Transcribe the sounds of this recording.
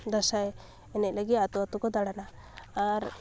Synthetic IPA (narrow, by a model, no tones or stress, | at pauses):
d̪asae | enelaɡiat̪uat̪ukɔd̪aɽanaː | ɾ